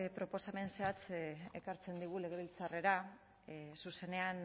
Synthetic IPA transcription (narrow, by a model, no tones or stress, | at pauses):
pɾo̞po̞same̞nseat͡sekaɾt͡se̞nd̪iɣ̞ule̞ɣe̞βilt͡sare̞ɾa | suse̞ne̞an